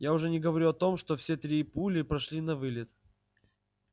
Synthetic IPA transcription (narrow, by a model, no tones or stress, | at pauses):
jaʊʐɛnʲɪɡəvɐɾʲuɐt̪o̞mʂt̪ofsʲe̞t̪ɾʲipulʲɪpɾɐʂlʲinɐvɨlʲɪt̪